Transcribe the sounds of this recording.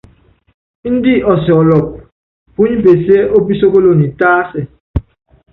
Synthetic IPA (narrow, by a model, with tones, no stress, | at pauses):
n̩˦di˦ʔɔ˨si˨ɔ˨lɔ˨p̚ | ku˦ɲ˦be˨se˦ʔo˦bi˦so˦ko˦lo˦ni˨taː˦sɛ˨